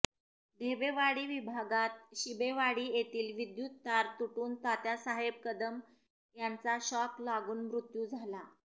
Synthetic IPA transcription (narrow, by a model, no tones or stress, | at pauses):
d̪ʱebeʋaɽiːʋibʱaɡat̪̚ɕibeʋaɽiːjet̪iːlʋid̪jut̪ːaɾt̪uʈuːnt̪at̪jasaɦeb̚kəd̪əm | jant͡saɕɔklaɡuːnmɾut̪juːd͡zʱala